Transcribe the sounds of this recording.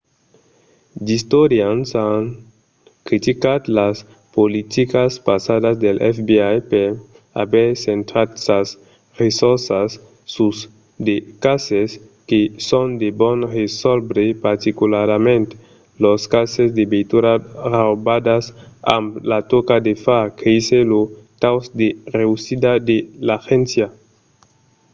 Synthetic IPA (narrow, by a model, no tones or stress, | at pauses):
d̪ist̪oɾjansaŋ | kɾit̪ikat̪las | polit̪ikaspasad̪azd̪elʔɛfbiajpeɾ | a̰beɾsent̪ɾat̪sas | resoɾsasː | us | d̪ekases | kesond̪ebonresɔlbɾepaɾt̪ikulaɾmẽnt̪ | loskasezd̪ebejt̪uɾarawbad̪asa̰mlat̪okad̪efakʰeiselot̪awsd̪ereusid̪ad̪elaxensja